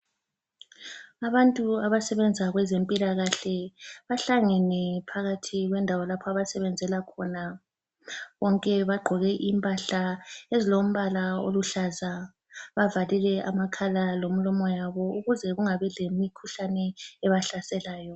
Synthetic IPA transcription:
aβantʼuaβasɛβɛnd͡zʱaɣwɛzempʼilaɣaɬɛβaɬaŋɛnɛpʰaɣatʰiɣwɛndʱawɔlapʰɔaβasɛβɛnd͡zʱɛlakʰɔna | βɔŋkʼɛβaɡ͡ǃʱɔɣɛʔimpʼaɬaezilom̩βalao̰luɬaza | βavalilɛʔamakʰalalom̩lɔmɔjaβɔuɣuzɛɣuŋaβɛlemikʰuɬanɛːβaɬasɛlaːjɔ

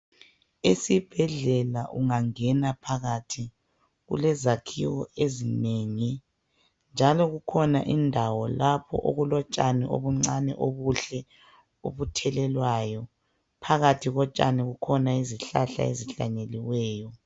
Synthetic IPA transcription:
esib̥ʱɛɮɛlaʔuŋaŋɛnapʰaɣatʰi | ɣṵlɛzakʰḭwɔezineŋi | nd͡ʒʱalɔɣukʰɔna̰ʔindʱawɔlapʰɔ̰ʔo̰ɣulɔt͡ʃʼanɛʔo̰βuŋ͡ǀanɛ̰ʔoβuɬɛ | oβutʰɛlɛlwaːjɔ | pʰaɣatʰiɣɔt͡ʃʼaniɣukʰɔnaiziɬaɬa̰ḛziɬa̰ɲeliwɛːjɔ

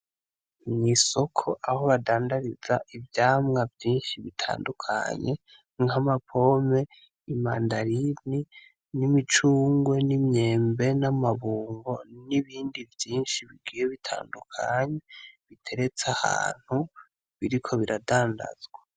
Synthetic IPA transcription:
mɲiso̞kʰo̞ʔaho̞βadaːndaɾizaʔivjaːmŋavjiːnʃiβitʰa̰ːndukʰa̰ɲe̞ | ŋamapʰo̞me̞ | imaːndaɾini | nimit͡ʃuːŋɡwe̞nimɲe̞ːmbe̞namaβuːŋɡo̞niβiːndivjiːnʃiβiɡiːjeβitʰa̰ːndukʰa̰ɲe̞βitʰe̞ɾe̞t͡saha̰ːn̥hu | βiɾikʰo̞βiɾadaːnda̰z̥ɡwa

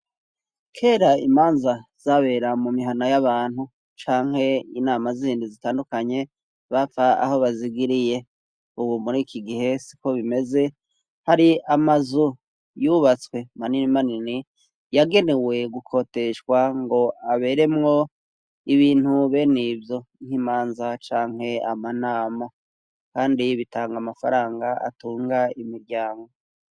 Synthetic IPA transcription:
kʰe̞ːɾaimaːnzaz̥aβe̞ːɾamumiɦanajaβaːn̥hu | t͡ʃaːŋ̥he̞inaːmaziiːndizitaːndukaɲe̞ | βafaa̰ho̞βaziɡiɾije̞ | uβumuɾikʰiɡihe̞si̥ko̞βime̞ze̞ | haɾiamazu | juːβat͡swe̞maninimanini | jaɡe̞ne̞we̞ɡukʰo̞ːte̞ʃwaŋɡo̞aβe̞ɾe̞mŋo̞ | iβiːn̥huβe̞nivjo̞ŋ̥himaːnzat͡ʃaːŋhe̞amanaːma | kaːndiβitaːŋɡamafaɾaːŋɡaʔa̰tuːŋɡaimiɾɟaːŋɡo̞

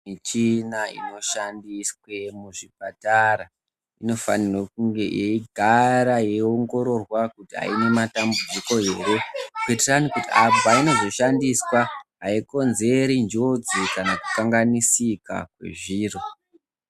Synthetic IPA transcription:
mit͡ʃinaḭno̞ʃandiswe̞muʐip̚ataɾa | ino̞fa̰nirok̚uŋɡe̞ʔeiɡʱaɾaje̞oŋɡo̞ɾo̞rwakutia̰ine̞matambud͡ziko̞e̞ɾe̞kuiteranikutiabaino̞zo̞ʃandiswaɦaiko̞nze̞ɾind͡ʒod͡zikanakukaŋɡanisika̰kwe̞̰ʐiːro

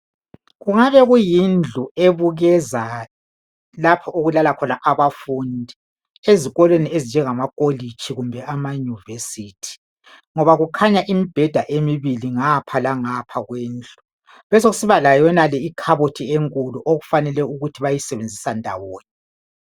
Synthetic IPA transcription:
ɣuŋaβɛɣujind͡ɮʱueβuɣɛza | lapʰɔʔuɣulalakʰɔnaʔaβafundʱi | eziɣɔlweniezind͡ʒʱɛŋamakʼolit͡ʃʼʰiɣumbʱɛʔamajuvesiːtʰi̥ | ŋɔβaɣukʰaɲaʔimib̥ʱɛd̥ʱaʔemiβiliŋapʰalaŋapʰaɣweːnd͡ɮʱu | βɛsoɣusiβalajɔnalɛikʰaβotʰieŋkʼuluʔoɣufanɛlɛuɣutʰiβajisɛβend͡zʱisandʱa̰woːni

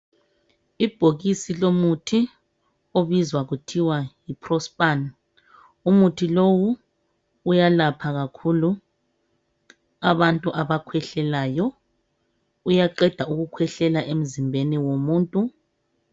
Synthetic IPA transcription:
ib̥ʱoɣisilomutʰi | oβizwaɣutʰiwajipʰrɔspʼan | umutʰilowuː | jalapʰaɣakʰulu | aβantʼuʔaβakʰwɛɬɛlajɔ | ujaǃɛd̥ʱauɣukʰwɛɬɛlaʔem̩zimbʱeniwomuːntʼu

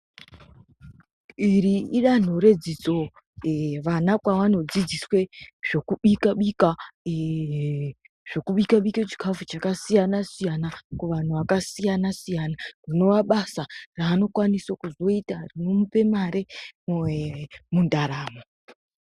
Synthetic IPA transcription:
iriiɗan̤o̞ɾe̞d͡zit͡so̞ | eʋanakwaʋano̞d͡zid͡ziswe̞ʐ̥o̞kuɓikaɓika | ʐ̥o̞kuɓikaɓiket͡ʃi̥kʰafut͡ʃakasijanasijanakuʋan̤uʋakasijanasijanarino̞ʋaɓasaraːno̞kwaniswakuzo̞itarino̞mupe̞maɾe̞ | mundaɾaːmo

